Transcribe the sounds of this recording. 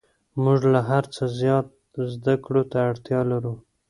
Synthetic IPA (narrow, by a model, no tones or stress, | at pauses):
muʐlaɦaɾt͡səzjɑt̪̚ | zd̪akɽot̪aːɽt̪jɑlaɾu